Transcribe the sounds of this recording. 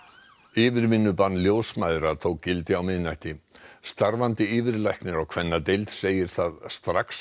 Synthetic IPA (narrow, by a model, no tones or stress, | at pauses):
ɪːvɪɾmɪnːʏpanːljoːwsmajðɾat̪ʰowkːɪlt̪ɪawmɪðnajht̪ɪst̪aɾvant̪ɪɪːvɪɾlajhknɪɾawkʰvɛnːat̪ejlt̪seːjɪɾ̥θaðst̪ɾaks